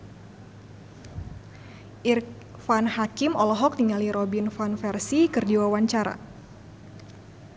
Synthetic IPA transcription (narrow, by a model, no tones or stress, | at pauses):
ʔir | fanhakimɔlɔɦɔk̚niŋaliɾɔbinfanfɛrsikɨrdiwawaɲt͡ʃaɾa̰